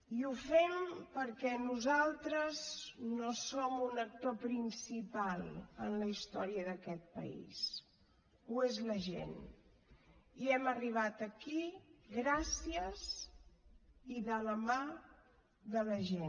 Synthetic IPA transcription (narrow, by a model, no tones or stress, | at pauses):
iufɛmpəɾkɛnuzalˠt̪ɾəznosomunək̚t̪opɾinsipalˠə̰nləist̪ɔɾiəðəkɛt̪̚pə̰ḭs | uezləʒḛn | iɛməriβ̞at̪əkiɣɾasiəz | iðələma | ðələʒen